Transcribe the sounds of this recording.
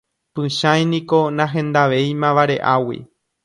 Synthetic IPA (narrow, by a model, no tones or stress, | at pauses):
pɨ̃ʃãj̃nĩkonãɦẽ̞nd̪aʋe̞jmãʋaɾe̞ʔawḭ